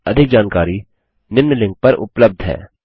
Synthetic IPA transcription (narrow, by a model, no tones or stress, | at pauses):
ɐd̪ʱɪk̚d͡ʒaːnkaːɾi | nɪmnəlɪ̃ŋɡ̚pɐɾʊ̰pləb̚d̪ʱɦɛ̰ː